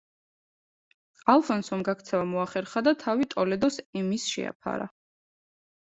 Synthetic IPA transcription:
alˠfɔnsɔmɡakt̪sʰɛvamɔaχɛɾχad̪at̪ʰavit̪ʼɔlɛd̪ɔsɛmisʃɛ̰a̰pʰa̰ɾa̰

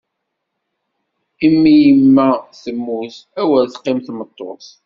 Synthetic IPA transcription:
imːijəmːæθəmːuθæwælθqːɪmθmət̪ˤːo̰θ

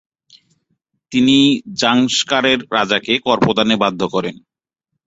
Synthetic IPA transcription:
t̪inid͡ʑaŋʃkaɾeɾːad͡ʑakekɔɾpod̪anebad̪ʱːokɔɾen

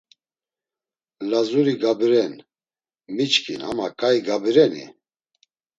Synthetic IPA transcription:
lazuɾiɡabiɾɛn | mit͡ʃkʰḭnha̰makʼaiɡabiɾɛnḭ

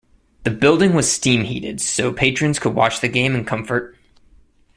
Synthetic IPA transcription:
ðɨbɪlˠdɪ̃ŋwʌz̥stĩmhḭɾɪ̰d̥soʊpʰeɪt͡ʃɹ̥ɨ̃nz̥kʰəd̚wɑ̰t͡ʃðɨɡẽɪ̃mɨ̃nkʰʌ̃ɱfə˞t̚

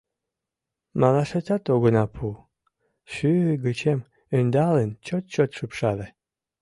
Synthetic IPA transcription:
mɑlɑʃat͡sɑt̪oɣənɑpʰu | ʃyɡət͡ɕem | ynd̪ɑlənt͡ɕot̪̚t͡ɕot̪ʃɨpʃɑd̪e

